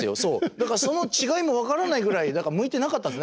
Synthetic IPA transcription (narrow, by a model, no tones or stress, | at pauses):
ɨjoso̞ːd̪akaɾaso̞no̞t͡ɕiɡaimo̞βakaɾanaiɡɯ̟ɾaid̪akaɾmɯ̟it̪e̞nakat̪ːãnesn